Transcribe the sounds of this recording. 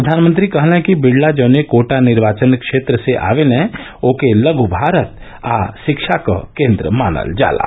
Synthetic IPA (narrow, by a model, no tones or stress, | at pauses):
pɾəd̪ʱaːnmənt̪ɾikɐɦlɦɛ̃kibɪɽlad͡ʒɐːnekoːʈanɪɾʋaːt͡ʃənkʃeːt̪ɾəseʔa̰ːʋelɛ̃ | oːkeləɡʱubʱaːɾət̪ | a̰ʃɪkʃakə̰kẽːnd̪ɾə̰maːnə̰ld͡ʒa̰ːla̰